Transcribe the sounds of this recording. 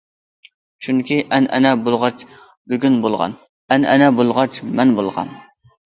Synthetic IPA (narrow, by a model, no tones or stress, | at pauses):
t͡ʃʰyŋkʲiʔɛnʔɛnɛbolˠʁɑt͡ʃ | byɡʲynbolˠʁɑ̰n | ɛnɛnɛbolˠʁɑt͡ʃmɛnbolˠʁɑ̰n